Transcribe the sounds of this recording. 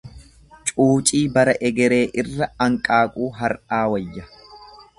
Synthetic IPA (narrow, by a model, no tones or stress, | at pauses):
t͡ʃʼuːt͡ʃʼiːbɐɾɐʔɛɡɛɾe̞ːʔɪrːɐɐŋkʼaːkʼuːɦɐɾʔaːwɐjːɐ